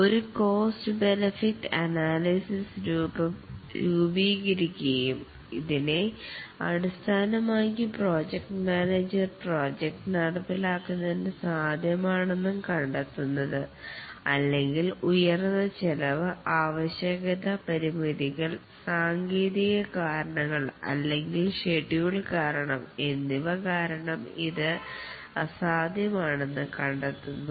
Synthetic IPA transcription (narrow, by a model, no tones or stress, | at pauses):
o̞ɾuko̞ːstɨbe̞nɐfiʈːɐnaːlisisɾuːbɐmɾuːbiːɣɐɾikʲːujum | iðine̞ɐ̰ɽust̪ʰaːnɐmaːkipro̞ːd͡ʑek̚ʈmaːneːd͡ʑɐrpro̞ːd͡ʑek̚ʈɨnɐɽɐpːilaːkːunːɐðindesaːd̪ʱjɐmaːɳenːumkɐɳɖɐt̪ːunːɐðɨɐlːe̞ŋɡilujɐrnːɐt͡ɕelɐʋɨaːʋɐɕjɐɣɐðɐpɐɾimiðiɣɐɭ | saːŋɡiːðiɣɐkaːɾɐɳɐŋːɐɭɐ̰lːe̞ŋɡilʂeʈːijuɭkaːɾɐɳɐme̞nːiʋɐkaːɾɐɳɐmiðɨ | saːd̪ʱjɐmaːɳe̞nːɨkɐɳɖet̪ːunːu